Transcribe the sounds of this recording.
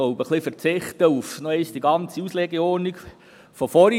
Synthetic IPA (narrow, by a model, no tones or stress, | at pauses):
oʊbəχlifəɾt͡sɪχt̪əufnoɛɪsd̥iɡɑnt͡siusleɡəɔɾnik | fɔfɔɾ